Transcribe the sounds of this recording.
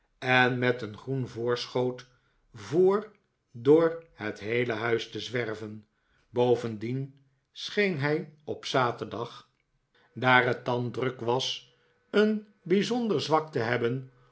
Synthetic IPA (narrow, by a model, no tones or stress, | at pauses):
ɛnmɛtənχrunvʊːɹsχowt | vʊːɹ | dʊːɹhətɦejləɦœɥstəzʋɛrvən | bowvəndin | sχejnɦɛjɔpsaːtəɹdɑχ | daːrɦət̚ɑndrɵkʋɑs | ən | bizɔndəɹzʋɑk̚təɦɛbən